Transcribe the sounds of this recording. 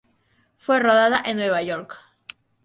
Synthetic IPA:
fwe̞roðaðaʔenːwe̞βaʝo̞ɾk

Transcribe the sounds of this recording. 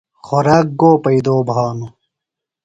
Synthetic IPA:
xoɾaːk̚ɡoːpɐid̪oːbʱaːnu

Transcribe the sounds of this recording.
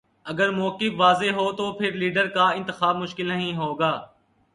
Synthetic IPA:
ɐɡəɾmoːkɪfʋaːzeɦoːt̪opʰɪɾliːɖəɾkaɪ̃nt̪ɪxaːb̚mʊʃkɪlnɐɦĩɦoːɡaː

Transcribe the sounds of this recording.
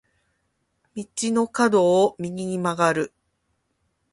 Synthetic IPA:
mʲit͡ɕino̞kad̪o̞ːmʲiɲʲiɲ̟imaɡaɾɯ̟

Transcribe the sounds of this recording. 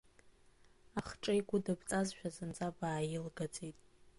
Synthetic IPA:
aχʈ͡ʂʼɨjɡʷʊdɨbʼt͡sʼazʃᶣazɨnt͡sʼabaːjɪlɡat͡sʼitʼ

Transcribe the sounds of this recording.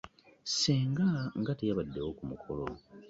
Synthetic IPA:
seːŋɡaŋɡatejaβadːe̞wokumukʰo̞lo̰

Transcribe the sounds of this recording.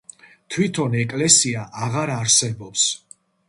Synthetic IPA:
t̪ʰwit̪ʰɔnɛkʼlɛsiaʔaʁaɾaɾsɛbɔps

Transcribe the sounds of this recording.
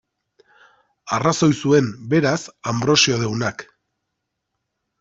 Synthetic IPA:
araso̞jsue̞nbe̞ɾasambɾo̞sioð̞e̞wnak

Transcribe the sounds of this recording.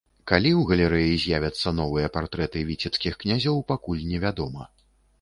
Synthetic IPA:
kalʲiwɣɐlʲɛɾɛjizʲjavʲɐt̪sːɐn̪ɔvɨjɐpart̪ɾɛt̪ɨvʲit͡sʲɛpskʲixknʲazʲɔwpakulʲnʲɛvʲad̪ɔmɐ

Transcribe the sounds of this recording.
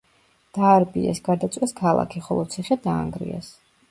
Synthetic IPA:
d̪̥aːɾbiɛ̰sɡaɾd̪at̪sʼwɛskʰalˠa̰kʰiχɔlˠɔt̪sʰiχɛd̪aːŋɡɾḭɛ̰s

